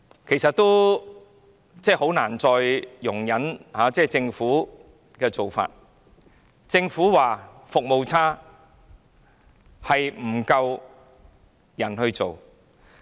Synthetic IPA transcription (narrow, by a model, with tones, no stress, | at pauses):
kʰe˨˩jsɐ˨t̪ːo˥w | t͡sɛː˥˩ho˨˥wnaː˨˩nt͡sɔː˨˧jːʊ˨˩ŋjɐ˨˥nhaː˨˧t͡sɛː˥˩t͡sɪ˧ŋfuː˨˥ | kɛː˧t͡so˨wfa̰ː˧t̚ | t͡sɪ˧ŋfuː˨˥waː˨˩ | fʊ˨k̚mo˨wt͡sʰaː˥ | hɐ˨jm̩˨˩kɐ˧w | jɐ˨˩nhɵ˧ɥt͡so˨w